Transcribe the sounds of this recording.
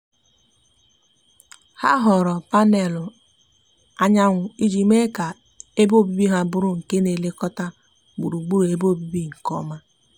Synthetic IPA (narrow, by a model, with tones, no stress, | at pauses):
ha̰˦ɦɔ˨ɾɔ˨pa˦ne˨lʊ˨ | a˦ɲa˦ŋʷʊ˨i˦d͡ʒi˨me˦ka˨ | e˦bo˦˨bi˦bi˦ɦa˦bʊ˦ɾʊ˦ŋ̩˨ke˦ne˨le˦kɔ˦ta˦ | bu˨ɾu˨ɡ͡bu˦ɾe˦bo˦˨bi˦bi˦ŋ̩˨kɔ̰˦ma˦